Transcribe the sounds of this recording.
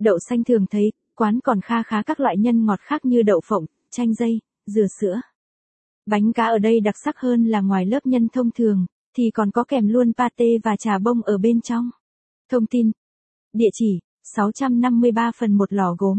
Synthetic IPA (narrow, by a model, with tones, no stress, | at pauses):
ɗə̰˧˨wsa˧jŋ̟t̪ʰɨ˨˩əŋt̪ʰə˨˦j | kwaː˨˦nkɔ˨˩nxaː˨˦xaː˨˦kaː˦˥k̚lwa̰ː˧˨jɲə˧nŋɔ˨˩t̚xaː˦˥k̚ɲɨ˧ɗə̰˧˨wfə̰˧˨wŋ͡m | t͡ɕa˧jŋ̟zə˧j | zɨ˨˩əsɨ̰˧˥ə | ɓa˨˦jŋ̟kaː˨˦ʔəː˧˩ɗə˧jɗa˨˩t̚sa˦˥k̚həː˧nlaː˨˩ŋwaː˨˩jləː˦˥p̚ɲə˧nt̪ʰə˧wŋ͡mt̪ʰɨ˨˩əŋ | t̪ʰi˨˩kɔ˨˩nkɔ˨˦kɛ˨˩mlu˧ənpaː˧t̪e˧vaː˨˩t͡ɕaː˨˩ɓə˧wŋ͡mʔəː˧˩ɓe˧nt͡ɕɔ˧wŋ͡m | t̪ʰə˧wŋ͡mt̪i˧n | ɗḭ˧˨ət͡ɕi˧˩ | sa˨˦wt͡ɕa˧mna˧mːɨ˧əjɓaː˧fə˨˩nmo˨˩t̚lɔ˧˩ɣo˨˦m